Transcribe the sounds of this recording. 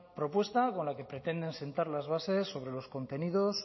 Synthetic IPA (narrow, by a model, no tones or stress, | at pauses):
pɾo̞pwe̞st̪ako̞nlake̞pɾe̞t̪e̞nd̪e̞nse̞nt̪aɾlazβ̞ase̞sːo̞β̞ɾe̞lo̞sko̞nt̪e̞nið̞o̞s